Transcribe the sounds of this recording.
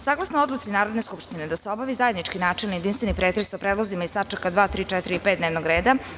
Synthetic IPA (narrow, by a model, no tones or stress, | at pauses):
saːɡlˠasnood̪lˠut̪sinaːɾod̪ne̞skupʃt̪ined̪aseobaʋizaje̞d̪nit͡ʂkinaːt͡ʂelˠnijed̪int̪venipɾet̪ɾesapɾeːd̪lˠozimaist̪at͡ʂakad̪ʋaːt̪ɾiːt͡ʃɛt̪iɾiipet̪d̪neʋnoɡɾeːd̪a